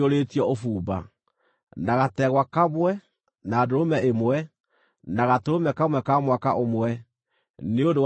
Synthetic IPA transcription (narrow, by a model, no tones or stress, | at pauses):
oɾeːtiɔofuːba̰ | naɣatɛɣwakamwɛ | naːdoɾomɛemwɛ | naɣatoomɛkamwɛkamwaka̰ʔomwɛ | neondow